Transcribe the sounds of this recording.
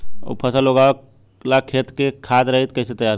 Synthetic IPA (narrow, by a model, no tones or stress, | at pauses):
ɔ̰pʰɐsaloɡa | lakʰeːt̪kekʰaːt̪ɾɐɦet̪kɐɪset̪əjaːɾ